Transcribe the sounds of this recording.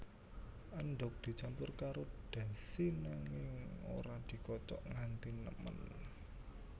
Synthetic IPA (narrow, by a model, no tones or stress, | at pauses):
ʔənɖɔk̚d̪̥i̤t͡ʃampʊrkaɾod̪̥a̤sinaŋɪŋo̰ɾad̥i̤kɔt͡ʃɔʔŋant̪inəmə̰n